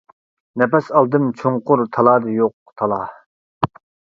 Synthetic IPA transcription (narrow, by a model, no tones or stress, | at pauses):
nɛpɛsɑlˠd̪ɨmt͡ʃʰoŋqʊɾt̪ʰɑlˠɑːd̪ɨjoq̚ | t̪ʰɑlˠɑ